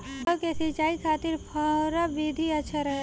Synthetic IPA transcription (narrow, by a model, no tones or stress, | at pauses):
kesit͡ʃaːikʰaːt̪ɪɾpʰaɾabid̪ʱiɐtːʃʰaɾɐɦe